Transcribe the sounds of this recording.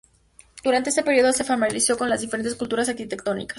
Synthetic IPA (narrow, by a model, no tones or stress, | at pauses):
d̪̥uɾant̪eest̪peɾjio̞ðose̞famaɾlisjo̞ko̞nlazðifeɾent̪eskult̪uɾas̬aɾkit̪e̞kt̪o̞nḭkḁs